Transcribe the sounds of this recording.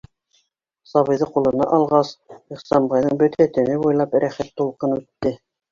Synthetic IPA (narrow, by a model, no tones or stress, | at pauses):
sɑβɤ̆jðɤqulˠɤ̆nɑ̰ʔɑlˠʁɑsiχsɑmbɑjðɤɴbɵt̪æt̪ɘ̆mɘbujlˠɑpɾæχæt̪ːulˠqɤnʉt̪ːɘ